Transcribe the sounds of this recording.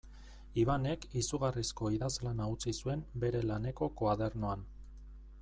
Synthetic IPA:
iβane̞kisuɣarisko̞iðazlanaut͡sisue̞mbe̞ɾe̞lane̞ko̞kaðe̞ɾno̞an

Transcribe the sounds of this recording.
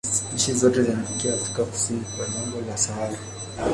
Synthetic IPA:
nɲ̩ʃizɔtɛzinafikiaːfɾi̥kaku̥sinikwalamɡɔlasaala

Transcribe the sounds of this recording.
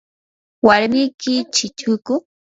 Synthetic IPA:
waɾmɪjkɪt͡ʃɪt͡ʃʊkʊ

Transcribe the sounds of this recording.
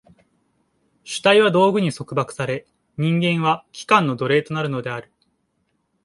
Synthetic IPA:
ɕɨ̥t̪aiβ̞ad̪o̞ːɡɯ̟ɲ̟iso̞kɯ̟bakɯ̥saɾe̞ | ɲ̟ĩŋɡẽ̞ɰ̃βakʲi̥kãnːo̞d̪o̞ɾe̞ːt̪o̞naɾɯ̟no̞d̪e̞aɾɯ̟

